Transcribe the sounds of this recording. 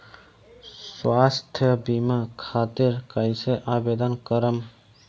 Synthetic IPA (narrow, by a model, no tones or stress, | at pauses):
swaːst̪ʰjəbimakʰaːt̪iɾkəɪseʔaːbeːd̪ənkəɾəm